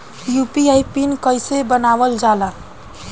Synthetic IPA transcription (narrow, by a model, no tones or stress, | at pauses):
jupiajpinkəjsebənabəld͡ʒala